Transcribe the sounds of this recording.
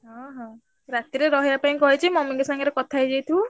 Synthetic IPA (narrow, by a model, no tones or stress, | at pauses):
ɦɔ̃ɦɔ̃ | ɾat̪iɾeɾɔɦeapaĩkɔɦet͡ʃʰimɔmiŋɡɔsaŋɡɔɾekɔt̪ʰajd͡ʒejt̪ʰũ